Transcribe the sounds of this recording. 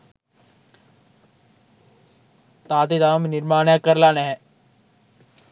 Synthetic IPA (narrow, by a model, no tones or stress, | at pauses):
t̪aːt̪id̪aːmnɪɾmaːnakəɾlaːneɦɛ